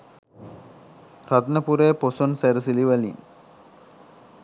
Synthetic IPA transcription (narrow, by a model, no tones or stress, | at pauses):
rat̪nəpuɾeːposonsæɾəsiliʋælḭn